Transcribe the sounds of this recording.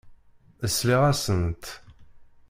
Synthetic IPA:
əsːliʁæsənt̪

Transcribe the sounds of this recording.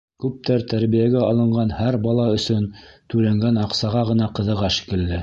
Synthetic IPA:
kʉp̚t̪æɾt̪æɾβijæɡæɑlˠɤ̆ɴɢɑnhæɾbɑlˠɑɵ̆sɵnt̪ʉlæŋɡænɑqsɑʁɑʁɤ̆nɑqɤ̆ðɤ̆ʁɑʃi̥kɘ̆lːɘ

